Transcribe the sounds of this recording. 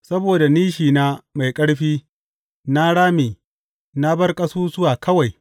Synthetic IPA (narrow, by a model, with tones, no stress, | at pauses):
sɐ˦boː˨da˨niː˦ʃiː˨naː˦ma˨jkʼɐ˦ɽɸiː˦ | na˦ɽaː˦meː˨ | na˦bɐ˦rkʼɐ˦suː˦sʊ˦waː˨kʰɐ˦wa˨j